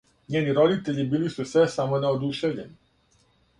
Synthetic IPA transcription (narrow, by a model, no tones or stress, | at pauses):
ɲeːniɾo̞d̪it̪e̞ʎibiːlisusʋesamo̞neod̪uʃeʋʎe̞ni